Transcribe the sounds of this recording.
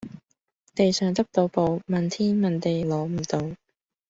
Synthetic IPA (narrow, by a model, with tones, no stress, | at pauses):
t̪e˨jsœː˨ŋt̪ɐ˥k̚t̪o˧wpo˨˧wmɐ˨nt̪ʰiː˥nmɐ˨nt̪e˨jlɔː˨˥m̩˨˩t̪o˨˧w